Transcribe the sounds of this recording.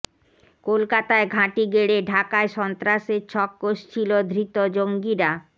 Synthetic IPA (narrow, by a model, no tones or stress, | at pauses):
kolkat̪aeɡʱãʈiɡeɽeɖʱakaeʃɔnt̪ɾaʃet͡ɕʰɔkːoʃt͡ɕʰilod̪ʱɾit̪od͡ʑoŋɡiɾa